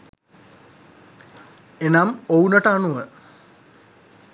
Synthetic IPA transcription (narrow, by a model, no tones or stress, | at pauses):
enamounəʈəanuʋə